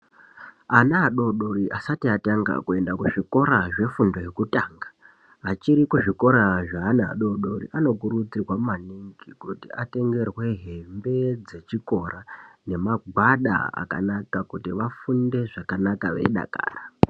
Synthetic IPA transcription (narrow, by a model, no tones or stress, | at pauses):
anaɦaɗo̞ɗo̞ɾiʔasatiataŋɡa̰kue̞ndakuʐiko̞ɾaʐe̞fundo̞ɦekutaːŋɡa | ɦːt͡ʃiɾikuʐiko̞ɾaʐaːnaɦa̰ɗo̞ɗo̞rḭʔano̞kuɾud͡zirwamaniŋɡikutiate̞ŋɡe̞rwe̞ɦe̞mbe̞d͡ze̞t͡ʃiko̞rane̞maɡʱwaɗa̰a̰ka̰nakakutiʋafunde̞ʐakanakaʋḛɗa̰ka̰ːra